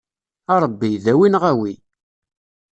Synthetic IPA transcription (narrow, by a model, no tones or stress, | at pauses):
ɑɾˤəbːiðæwinʁæwi